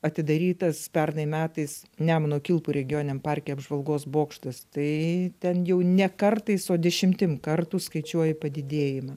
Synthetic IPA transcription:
ɐt̪ʲɪd̪ɐɾʲiːt̪ɐspʲɛrnɐɪmʲæːt̪ɐɪsnʲæmɐnoːkʲɪlˠpuɾʲɛɡʲɪjoːnʲnʲɛmpɐrʲkʲɛɐbʒʋɐlˠɡoːsboːkʃt̪ɐst̪ɐɪt̪ʲɛnjɛʊnʲɛkɐrt̪ɐɪsoːd̪ʲɛʃʲɪmʲt̪ʲɪmkɐrt̪uːskɐɪt͡ʃʲuɔjɪpɐd̪ʲɪd̪ʲeːjɪmɐ

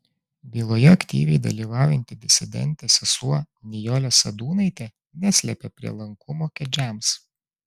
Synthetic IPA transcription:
bʲiːlˠoːjɛɐkʲt̪ʲḭːʋʲɛɪd̪ɐ̰lʲiːʋɑˑːʊjɛnʲt̪ʲɪd̪ʲɪsʲɪd̪ʲɛ̰nʲt̪ʲɛsʲɐsuɔ | nʲɪjɔlʲɛsɐd̪uːnɐɪt̪ʲe | nʲæsʲlʲɛpʲepʲɾʲḭɛlˠɐŋkʊmoːkʲɛd͡ʒʲæːˑms

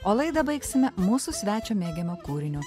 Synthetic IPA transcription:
oːlˠɐɪd̪ɐbɐɪksʲɪmʲɛmuːsusʲʋʲæːt͡ʃʲoːmʲeːɡʲemokuːɾʲɪnʲu

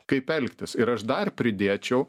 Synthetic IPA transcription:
kɐɪpɛlʲkt̪ʲɪsɪɾɐʃd̪ɐrpʲɾʲɪd̪ʲeːt͡ʃʲɛʊ

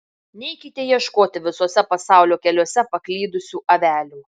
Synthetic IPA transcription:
nʲɛɪkʲɪt̪ʲejiɛʃkoːt̪ʲɪʋʲɪsoːsʲɛpɐsɑˑʊlʲoːkʲɛlʲoɔsʲɛpɐklʲiːd̪ʊsʲuːʔɐʋʲæːlʲuː

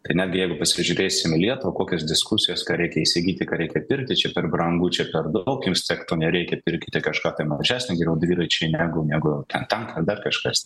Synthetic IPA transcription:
t̪ɐɪnʲæːdʲɡʲɪjɛɪɡʊpɐsʲɪʒʲʊɾʲeːsʲɪmɪlʲiɛt̪ʊʋɐkoːkʲɛsd̪ʲɪskusʲɪjoːskɑːɾʲɛɪkʲɛisʲɪɡʲiːt̪ʲɪkɑːɾʲɛɪkʲɛpʲɪrʲk̚t̪ʲɪt͡ʃʲɛpʲɛrbɾɐŋɡuːt͡ʃʲɛpʲɛrd̪ɐʊkjumsʲt̪ʲɛkt̪oːnʲɛɾʲɛɪkʲɛpʲɪɾʲkʲɪt̪ʲɪkɐʃkɑːt̪ɐɪmɐʒʲæːsʲnʲɛɡʲɛjʲɛʊd̪ʲʋʲiːɾɐɪt͡ʃʲɛɪnʲæːɡʊnʲæːɡʊt̪ʲɛnt̪ʲɛnkɐrd̪ɐrkɐʃkɐsʲ

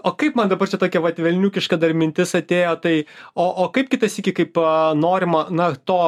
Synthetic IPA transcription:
oːkɐɪpmɐnd̪ɐbɐrt͡ʃʲɛt̪oːkʲɛʋɐt̪ʲʋʲɛlʲnʲuːkʲɪʃkɐd̪ɐrmʲɪnʲt̪ʲɪsɐt̪ʲeːjoːt̪ɐɪoːʔoːkɐɪpkʲɪt̪ɐsiːkʲɪkɐɪpnoːɾʲɪmɐnɐt̪oː

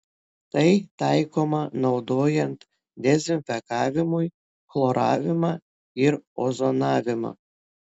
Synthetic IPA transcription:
t̪ɐjt̪ɑjkomɑnɐwd̪ojɛnt̪ | d̪ʲezinfʲɛkɑvʲimuj | flˠoɾɑ̰vʲɪmɑ | iɾozonɑvʲɪmɑ̰

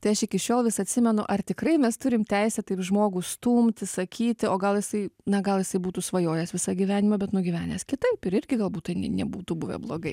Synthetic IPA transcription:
t̪ɐɪɐʃɪkʲɪʃʲoːlˠʋʲɪsɐt̪ʲsʲɪmʲɛnʊ̰ʔɐrt̪ʲɪkrɐɪmʲɛst̪ʊɾʲɪmt̪ʲɛɪsʲɛt̪ɐɪpʒmoːɡuːst̪uːmʲt̪ʲɪsɐkʲiːt̪ʲɪoːɡɐlˠjɪsɐɪnɐɡɐlˠjɪsɐɪbuːt̪uːsʋɐjoːjɛsʋʲɪsɐɡʲiʋʲæːnʲɪmɐbʲɛt̪nʊɡʲiʋʲæːnʲḛːskʲɪt̪ɐɪpɪɾɪrʲɡʲɪɡɐlˠbuːt̪t̪ɐɪnʲɛ̰nʲɛbuːt̪ubʊʋʲɛ̰blˠoːɡɐɪ

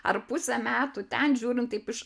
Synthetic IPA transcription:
ɐ̰rpʊsʲɛmʲæːt̪uːt̪ʲɛnʒʲuːɾʲɪnt̪t̪ɐɪpɪʃ

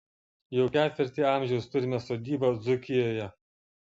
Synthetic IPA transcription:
jɛʊkʲæːt̪ʲʋʲɪɾʲt̪ʲiːɑˑmʲʒʲɛʊst̪ʊɾʲɪmʲɛsoːd̪ʲiːbɐd̪zʊkʲɪjoːjɛ

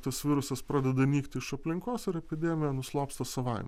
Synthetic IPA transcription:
t̪ɐsʋʲɪːɾʊsɐspɾɑːd̪ʲɛd̪ɐnʲiːkt̪ʲɪɪʃɐpʲlʲɪŋkoːsɪɾɛpʲɪd̪ʲɛːmʲɪjɛnʊslˠoːpst̪ɐsɐʋɐɪmʲ

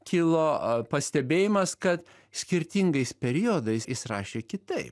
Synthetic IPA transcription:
kʲiːlˠoːpɐsʲt̪ʲɛbʲeːjɪmɐskɐt̪ | sʲkʲɪɾʲt̪ʲiŋɡɐɪspʲɛɾʲiod̪ɐɪsɪsɾɑ̰ːʃʲeːkʲɪt̪ɐɪp

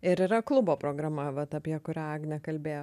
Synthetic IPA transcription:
ɪɾɪɾɐklˠʊboːpɾoːɡɾɐmɐʋɐt̪ɐpʲiɛkʊɾʲæːɐɡnʲɛkɐlʲbʲeːjoː

